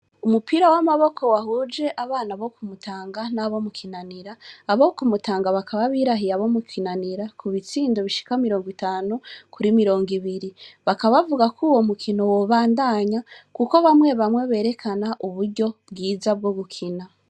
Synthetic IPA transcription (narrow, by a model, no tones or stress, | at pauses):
umupiɾawamaβo̞kʰo̞wahud͡ʒe̞ʔaβaːnaβo̞kumutʰaːŋɡanaβo̞mukʰinaniɾaːβokumutaːŋɡaβakʰaβaβiːɾaɦijaβo̞mukʰinaniɾakuβit͡siːndoβiʃi̥kamiɾo̞ːŋɡwitaːnukʰuɾimiɾo̞ːŋɡiβiɾiβakaβavuɡakʰuwo̞mukʰino̞woβaːndaɲakuko̞βamwe̞βamŋe̞βe̞ːɾe̞kʰanaʔuβuɾɟo̞bɡiːzab̚ɡo̞ɡukʰina